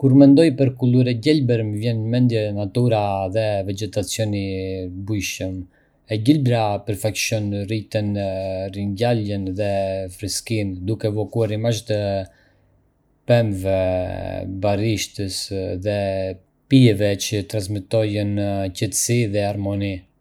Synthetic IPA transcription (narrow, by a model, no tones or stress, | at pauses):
kuɾmɛnd̪ɔjpəɾkuluɾɛɟɛlbɛɾməvjɛnmɛnd̪jɛnat̪uɾaðɛvɛd͡ʒɛt̪at͡sjɔnibujʃəm | ɛɟilbɾapəɾfakʃɔnrit̪ɛnrinɟalənðɛfɾiskind̪ukɛːvɔkuaɾimaʃt̪ə | pɛmvɛ | bariʃt̪əsðɛ | pijɛvɛt͡ʃət̪ɾansmit̪ɔjəncɛt̪ə̥siðɛaɾmɔni